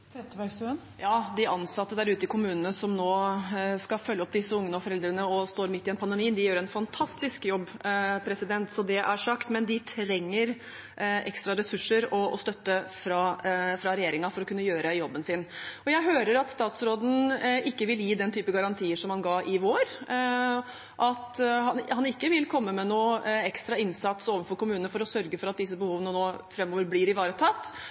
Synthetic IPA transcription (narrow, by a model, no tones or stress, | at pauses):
t̪ʰɾɛt̪ːəʋæsn | jɑːd̪ɪʔɑnsɑt̪ːəd̪æɾʉːt̪əɪkʰʊmʉːnənəsɔmnoːskɑfœlːəɔp̚ːd̪ɪsːəʊŋːənəɔfɔɾɛld̪ɾənəɔst̪oːɾmɪt̪ːɪɛnpʰɑnd̪ɛmiːnd̪ɪjøːɾɛnfɑnt̪ʰɑst̪ɪskjɔbːpʰɾɛsɪd̪ɛnt̪sɔd̪ɛʔæɾʂɑkt̪mɛnd̪ɪt̪ʰɾɛŋːəɾ | ʔɛkst̪ɾɑɾɛsʉʂəɾɔɔ̰st̪œt̪ːəfɾɑfɾɑɾɛjeːɾɪŋɑfɔɾɔkʉnːəjøːɾəjɔbːənsɪnɔjæɪɦøːɾəɾɑt̪st̪ɑːt̪sɾoːd̪n̩ɪkːəʋɪljiːd̪ɛnt̪ʰyːpəɡɑɾɑnt̪ʰiːəʂɔmhɑnɡɑːʔɪʋoːɾ | ʔɑt̪ɦɑnhɑnɪkːəʋɪlkʰɔmːəmɛnuːɛkst̪ɾɑɪnsɑt̪soːʋənfɔɾkʊmʉːnəəfɔɾɔsœɾɡəfɔɾɑt̪̚d̪ɪsːəbəhuːʋənənoːfɾɛmːoːʋəɾblɪɾɪʋɑːɾət̪ʰɑt̪ː